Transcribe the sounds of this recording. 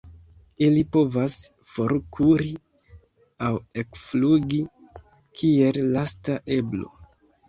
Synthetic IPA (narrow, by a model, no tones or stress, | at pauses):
ilipo̞vas | fo̞ɾkʰuɾi | awe̞kfluɡi | kʰie̞llastaʔe̞blo̞̰